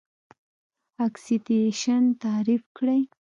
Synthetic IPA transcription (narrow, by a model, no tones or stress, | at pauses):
aksit̪eʃant̪ɑɾifkɽaj